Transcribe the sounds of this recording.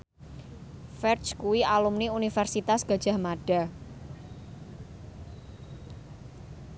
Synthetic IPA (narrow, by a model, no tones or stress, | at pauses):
fɛrt͡ʃkuwialumniunifɛrsit̪asɡ̥a̤̥d͡ʒ̥a̤hmaɖ̥a̤